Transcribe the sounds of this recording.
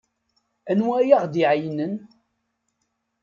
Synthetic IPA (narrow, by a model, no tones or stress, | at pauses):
ænwæjaʁd̪iʕjnən